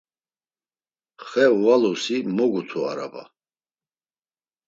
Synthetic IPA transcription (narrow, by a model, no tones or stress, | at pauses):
χɛwalusimɔɡut̪ʰua̰ɾa̰ba̰